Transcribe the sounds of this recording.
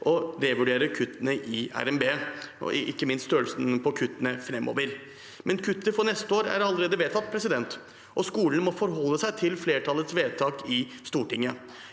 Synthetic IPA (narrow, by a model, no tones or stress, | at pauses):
ʔɔd̪ɛʋʉɖeːɾəkʰʉt̪ːənəʔɪæ̰ɾɛmbḛː | ɪ̰kːəmɪnst̪st̪øːlsənpʰɔkʰʉt̪ːənəfɾɛmːo̰ːʋəɾ | mʔɛnkʰʉt̪ːəfɔnɛst̪əoːɾæ̰ɾɑlːəɾeːd̪əʋeːt̪ʰɑt̪̚ːpʰɾɛsɪd̪ɛnt̪ | ʔɔskuːlənmɔfɔɾɦɔlːəsæɪt̪ʰɪlfleːʈʰɑlːət̪sʋeːt̪ʰɑːkɪst̪uːʈɪŋːə